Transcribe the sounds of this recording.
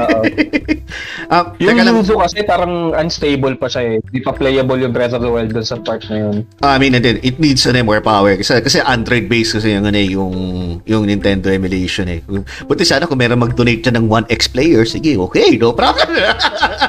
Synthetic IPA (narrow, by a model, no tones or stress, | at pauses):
oo | ʔɐmjʊɐŋnɐluːzokɐsɛpaːɾɐŋʔɐnst̪ejbolpɐʃaɛɪpɐplɛjɐboljʊŋt̪ɾɛsɔvd̪ɐwɛld̪̚d̪ʊnsɐpaɹk̪̚nɐjonʔɐɐminɐnd̪ɛnʔɪt̪̚nid̪sɐnɛmoɹpawɛɹkɐsɛkɐsɛʔand̪ɾojd̪̚bejskɐs̬ɛjɐŋɐnɛjʊŋjʊŋɪnt̪ɛnd̪oɛmɪlejʃonɛ̰ | pʊnt̪ɛsaːnɐkʊŋmɛːɾonmɐɡ̚d̪onejt̪̚t͡ʃɐnɐŋwanɛksplejɛɹsɪɡɛʔoːkejnopɾapɛ